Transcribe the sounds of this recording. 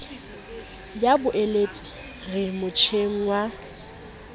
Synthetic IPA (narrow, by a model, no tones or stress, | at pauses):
jabʊʔelet͡sʼɪ̥ | ɣɪmʊt͡ʃʰeŋ̩wa